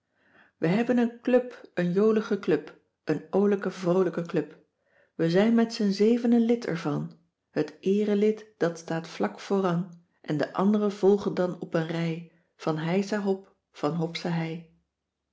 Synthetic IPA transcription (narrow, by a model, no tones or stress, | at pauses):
ʋəɦɛbənənklɵpənjowləχəklɵp | ʔənowləkəvrowləkəklɵp | ʋəzɛjnmɛtsənzejvənəlɪtɛ̰ɹvɑn | hətʔɪːrəlɪtd̥ɑtstaːtflɑkfʊːrɑn | ʔɛndəʔɑ̰ndərəv̥ɔlˠχəndɑnɔpənrɛj | v̥ɑnɦɛjsaɦɔp | fɑnɦɔpsaɦɛj